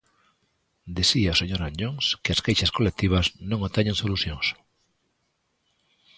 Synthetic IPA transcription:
d̪iθiaoseɲoɾaɲoŋskɪɐskejʃɐskolek̚t̪iβ̞ɐsnõŋot̪ɛɲẽŋsoluθjoŋs

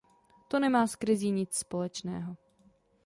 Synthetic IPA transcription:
t̪o̞nɛmaːskɾɪziːɲɪt͡sspo̞lɛt͡ʃnɛ̰ːɦo̞

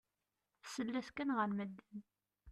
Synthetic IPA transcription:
θsəlːæθkænʁəɾməd̪ːən

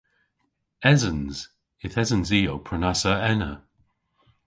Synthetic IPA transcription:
ɛzə̃nz̥ | ɪθɛzənziːowpʰɹ̥ənasəɛnə̰

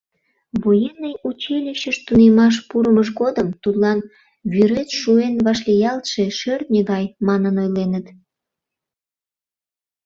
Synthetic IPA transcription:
βojenːəjut͡ɕelʲiɕəʃt̪unemɑʃ̬puɾəməʃ̬ɣod̪əmt̪ut̪lɑn | βyɾet̪ʃuenβɑʃ̬lʲijɑlt̪ʃeʃørt̪̚nʲeɣɑjmɑnənojlenət̪

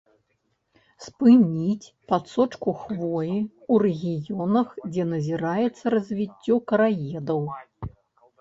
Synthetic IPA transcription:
spɨnʲit͡sʲpat̪sɔt͡ʂkuxvɔji | urɛɣʲijɔnɐxd͡zʲɛnɐzʲiɾajɛt̪sːɐɾɐzʲvʲit͡sʲːɔkɐɾajɛd̪ɐw

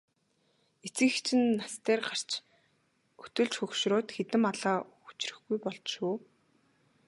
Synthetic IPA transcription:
et͡sɘ̆xt͡ɕʰɪ̆nːast̪eːrɢar̥t͡ɕ | u̥t̪ɵ̆ɮt͡ɕxɵkʃrʊːt̪xet̪ɘ̆maɮaː | u̥t͡ɕrɘ̆xɡujpɔɮt͡ɕʃuː

